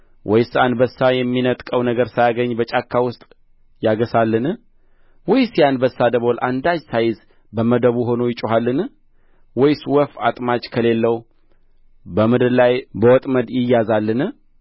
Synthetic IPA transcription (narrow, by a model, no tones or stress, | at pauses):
wʔɔjsanbəsːajɛmːinət̪ʼkʼəwnəɡəɾsajaɡəɲːbət͡ʃʼakʰːawʊst̪ʼ | jaɡəsalːɨnɨ | wɔjsijanbəsːad̪əβo̞lʔand̪ad͡ʒsajɪz | bəməd̪əβuɦo̞no̞jɪt͡ʃʼuɦalːɨn | wɔjswɔfat̪ʼmat͡ʃʼkʰəle̞lːəw | bəmɨd̪ɨdlajbəwɔt̪ʼməd̪jɪjːazalːɨnɨ